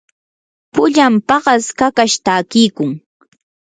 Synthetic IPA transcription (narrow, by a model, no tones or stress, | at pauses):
pʊʎampɑɢɑskakaʃt̪aːkɪːkʊŋ